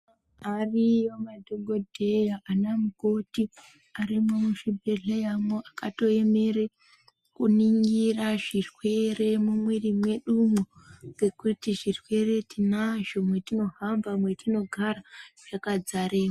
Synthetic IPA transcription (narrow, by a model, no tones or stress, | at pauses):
arijomadʱoɡʱo̞dʱe̞jaʔanamuko̞ti | aɾimomuʃibʱeɮejamoʔakato̞e̞me̞re | kuniŋɡiraʐirwe̞re̞mumwirimwe̞ɗumoɡekutiʐirwe̞re̞tinaʒo̞mwe̞tino̞ɦamvamwetino̞ɡʱaraʐ̥akad͡zaɾeːma